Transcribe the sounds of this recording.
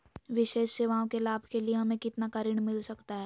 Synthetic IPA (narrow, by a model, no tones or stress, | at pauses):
ʋɪʃeːʃseːʋaːõkelaːbʱkelieɦɐmẽkɪt̪nakɐɾɪɳ̃mɪlsɐkt̪aɦɛː